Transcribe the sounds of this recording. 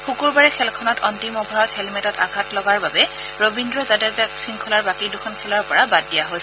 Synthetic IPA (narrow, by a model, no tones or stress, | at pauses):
xukuɹbaɹɛkʰɛlkʰɔnɔtʰɔntimɔbʱaɹɔthɛlmɛtɔta̰ɡʱatlɔɡaɹbabɛ | ɹobindɹɔzadazasɹiŋkʰɔlaɹbakidukʰɔnkʰɛlɔɹpɔɹabaddijaɦojs